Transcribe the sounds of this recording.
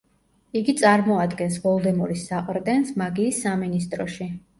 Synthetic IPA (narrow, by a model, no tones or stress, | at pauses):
iɡit̪sʼaɾmɔad̪ɡɛnsvɔlˠd̪ɛmuɾisːaqʼɾd̪ɛnsmaɡiːsːaminist̪ʼɾɔʃi